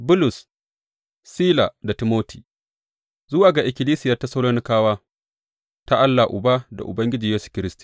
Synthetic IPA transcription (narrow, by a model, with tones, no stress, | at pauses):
bʊ˦lʊ˨sː | iː˦la˨da˨ti˨moː˦tʰi̥ː˨ | zʊ˦waː˨ɡa˨ʔɪ˨kʲɪ˨liː˦sɪ˦jɐ˦˨ta˦sɐ˦loː˦nɪ˦kaː˦waː˦ | ta˦ʔa˦lːa˨ʔʊ̰˨baː˦da̰˨ʔʊ̰˨bɐ˦ŋɡʲɪ˦d͡ʒiː˨jeː˦su̥˨kʲɪ˦ɾɪ˦stu̥ː˨